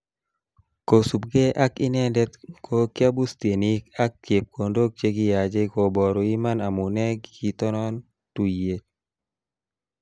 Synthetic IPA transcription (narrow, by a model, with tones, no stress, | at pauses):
ko˨su˨p̚ɡe˦ʔa˦kɪ˦nɛ˦ndɛ˦t̪kʰo˦kja˦bu˦st̪i˨e˨ni˦ka˦k̚tje˨p̚kʰo˨ndo˦k̚t͡ʃe˦ɡi˦ja˨d͡ʒe˦ko˨bɔ˨ɾo˨i˦ma˦na˨mu˨nɛ˦ɡi˨t̪ɔ˦nɔ˦n | tu˨je˨t̚